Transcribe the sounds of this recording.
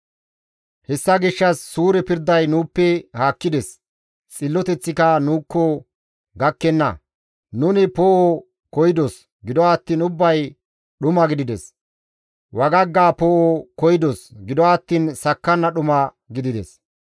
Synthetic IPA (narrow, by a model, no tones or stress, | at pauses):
hɛsːɐɡɪʃːɐsːuːɾɛpɪɾd̪ɐjnuːpːɛhaːkːɪd̪ɛs | t͡sʼɪlːɔt̪ɛt͡sːɪkɐnuːkːɔ | ɡɐkːɛnːɐ̰ | nʊnɪpoːʔo | kɔjɪd̪os | ɡɪd̪ɔːt̪ːiːnʊbːɐj | ɗʊmɐɡɪd̪ɪd̪ɛs | wɐɡɐɡːaːpoːʔokɔjɪd̪osɡɪd̪ɔːt̪ːiːnsɐkːɐnːɐɗʊmɐ | ɡɪd̪ɪd̪ɛ̰s